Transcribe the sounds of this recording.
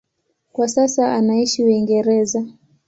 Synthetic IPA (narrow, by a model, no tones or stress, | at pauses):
kwasasaanaiʃiwiŋɡɛɾɛza